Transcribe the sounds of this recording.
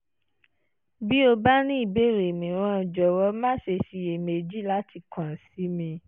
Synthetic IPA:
bi˦o˧ba˦nĩ˦i˦˨be˦˨ɾe˨mĩ˨ɾ̃ɔ̃˦˧˨d͡ʒɔ˨wɔ˧˦mã˦ʃe˧ʃi˧e˨me˨d͡ʒi˦la˦ti˧kã˨si˨˦mĩ˧

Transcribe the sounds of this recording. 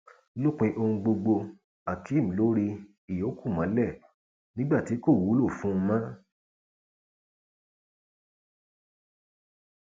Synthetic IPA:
lo˦k͡pĩ˧ʔo˧hũ˧ɡ͡bo˧ɡ͡bo˧ | a˨ki˨˦˨m̩̃˨lo˦ɾi˧ | i˨o˨˦kʰu˦˨mã̰˨˦lɛ˦˨ | nĩ˦ɡ͡ba˦˨ti˨˦ko˦˨wu˨˦lo˦˨fũ˦˧mã˦

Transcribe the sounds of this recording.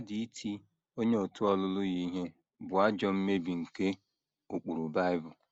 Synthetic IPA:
a˦di˨i˦tʰi˦ | o˦ɲe˦o˨tʊ˦ɔ˦lʊ˦lʊ˦ɣi˦ɦe˦ | bʊ˨a˦d͡ʒɔ˦m̩˦me˦bi˨ŋ̩˨ke˦ | o˨k͡pu˨ɾu˨ba˦ɪ˦bʊ˨

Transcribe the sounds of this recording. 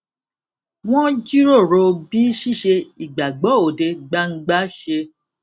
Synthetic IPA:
w̃ɔ̃˦d͡ʒi˦ɾo˦˨ɾo˧bi˦ʃi˦˨ʃe˧i˨ɡ͡ba˨ɡ͡bɔ˨˦o˨de˧ɡ͡ba˧ŋ̩˦ɡ͡ba˦ʃe˧

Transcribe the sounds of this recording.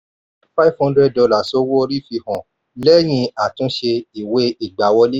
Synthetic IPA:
fa˦i˦vhɔ̃˦ndɾɛ˦d̚dɔ˧la˦˨so˦wo˦o˧ɾi˦fi˧hɔ̃˨ | lɛ˦j̃ĩ˧a˨tũ˨˦ʃe˧i˨we˦i˨ɡ͡ba˨wɔ˧le˦

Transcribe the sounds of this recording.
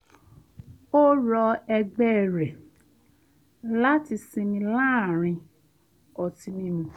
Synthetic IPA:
o˦ɾɔ˧ɛ˧ɡ͡bɛ˦˨ɾɛ˨ | la˦ti˧sĩ˧mĩ˧la˦˨ɾ̃ĩ˧ | ɔ˧tĩ˧nĩ˦mĩ˧

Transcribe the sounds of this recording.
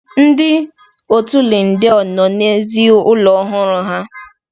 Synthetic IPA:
n̩˦dɪ˦ | o˨tu˦lɪ˨n̩˨dɪ˦ɔ˨nɔ˨ne˦zi˦ʊ˦lɔ˨˦ɦʊ˦ɾʊ˦ɦa˦

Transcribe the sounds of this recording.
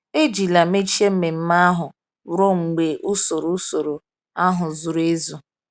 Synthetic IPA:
e˦d͡ʒi˨la˨me˦t͡ʃi˦e˦m̩˦me˨m̩˦ma˦a˦ɦʊ˨ | ɾo˦ŋ͡m̩˨ɡ͡be˨ʔʊ˦so˨ɾo˨˦so˨ɾo˨ | a˦ɦʊ˨zʊ˨ɾe˦zu˨

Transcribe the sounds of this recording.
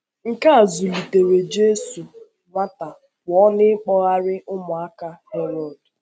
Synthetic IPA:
ŋ̩˨ka˦a˨zu˨li˨te˨we˨d͡ʒe˦su˨ | ŋʷa˦ta˨ | wɔ˦nɪ˦ɪ˦k͡pɔ˦ɣa˦ɾɪ˦ʔʊ˦mʊ˨a˦ka˦hɛ˦ɾɔ˨d

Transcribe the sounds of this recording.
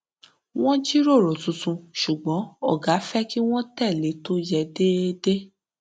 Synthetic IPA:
w̃ɔ̃˦d͡ʒi˦ɾo˦˨ɾo˨tũ˧tũ˧ʃu˨ɡ͡bɔ̃˨˦ɔ̰˦˨ɡa˨˦fɛ˦ki˦w̃ɔ̃˦tɛ˦˨le˨˦to˦jɛ˧de˦de˦

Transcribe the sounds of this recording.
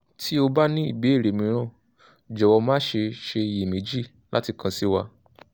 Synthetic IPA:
tʰi˦o˧ba˦nĩ˦ḭ˦˨be˨˦e˦˨ɾe˨mĩ˨˦ɾ̃ã˦˨ | d͡ʒɔ˨wɔ˧mãː˦ʃe˧ʃe˧ji˨mĩ˨˦d͡ʒi˦˨ | la˦ti˧kʰã˧si˦wa˧

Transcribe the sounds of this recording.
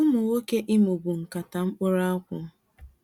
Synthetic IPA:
ʊ˦mʊ˨wo˦ke˦ʔɪ˦mʊ˨bʊ˨ŋ̩˨ka˨ta˨ŋ͡m̩˦k͡pʊ˦ɾa˦ɔ˦kʷʊ˦

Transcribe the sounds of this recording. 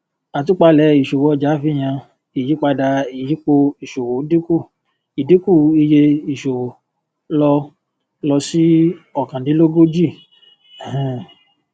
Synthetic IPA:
a˨t̬u˨˦k͡pa˧lɛ˨˦i˨ʃo˨wɔ˨˧˦d͡ʒa˨˦fi˦j̃ã˧ | i˨ji˨˦k͡pa˧da˧i˨ji˨˦k͡po˧i˨ʃo˨wo˨˦di˦ku˦˨ | i˨di˦ku˦˨i˧je˧i˨ʃo˨wo˨ | lɔ˧ | lɔ˧si˦ɔ˨kã˨di˨˦lo˦ɡo˦d͡ʒi˦˨

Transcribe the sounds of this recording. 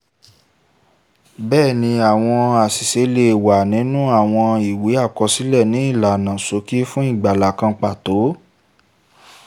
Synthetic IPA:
bɛː˦˨nĩ˧a˨w̃ɔ̃˧a˨si˨se˨˦le˧˨wa˨nĩ˨˦nũ˦a˦˨w̃ɔ̃˧i˨wi˨˦a˦˨kɔ˧si˦lɛ˦˨nĩ˨˦i˦˨la˨nã˨so˨˦ki˦fũ˦i˦˨ɡ͡ba˨la˨kã˧k͡pa˨to˨˦

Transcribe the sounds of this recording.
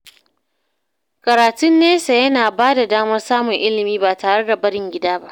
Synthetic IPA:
kɐ˨ɾaː˨tʊ˦nːeː˦sa˨jɐ˦naː˨baː˦da˨daː˦mɐ˦rsaː˦mʊ˨ŋʔɪ˦lɪ˨miː˦baː˨taː˨ɽe˦da˨bɐ˦ɽɪ˨ŋɡʲɪ˦daː˦ba˦ʔ

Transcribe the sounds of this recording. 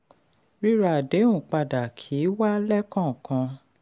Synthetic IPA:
ɾi˦ɾa˨de˨˦ũ˦˨k͡pa˧da˨kʰi˨˦wa˦lɛ˦kã˦˨kã˧

